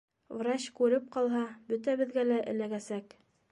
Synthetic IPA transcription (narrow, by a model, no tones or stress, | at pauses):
vrat͡ɕkʉɾɘp̚qɑlˠɦɑbɵt̪æβɘ̆ðɡælæʔɘ̰̆læɡæsæk